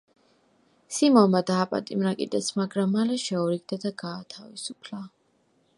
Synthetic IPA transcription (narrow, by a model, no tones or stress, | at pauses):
simɔmad̪aːpʼa̰t̪ʼimɾakʼḭd̪ɛsmaɡɾamːalɛʃɛɔɾiɡ̚d̪ad̪aɡaːt̪ʰavisupʰla